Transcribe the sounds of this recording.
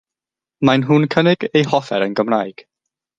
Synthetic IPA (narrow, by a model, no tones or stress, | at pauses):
majnɦunkʰənɪɡejhɔfɛ̰ɾənɡəmraːjɡ̥